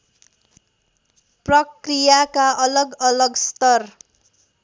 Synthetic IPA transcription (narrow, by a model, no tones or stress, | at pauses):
prʌkrijakaʔʌlʌɡʌlʌɡst̪ʌr